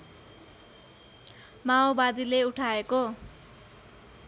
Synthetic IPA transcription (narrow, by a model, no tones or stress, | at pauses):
maobad̪ileuʈʰaeko